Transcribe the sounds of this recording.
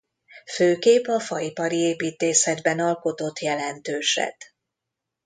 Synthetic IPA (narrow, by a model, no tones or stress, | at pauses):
føːkeːpɒfɒipɒɾieːpiːt̪eːsɛd̪bɛnɒlko̞t̪o̞t̪ːjɛlɛnt̪øːʃɛ̰t̪